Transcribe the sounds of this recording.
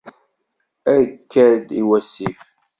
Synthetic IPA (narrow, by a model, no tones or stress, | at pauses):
æɾkːæɾd̪iwæsːif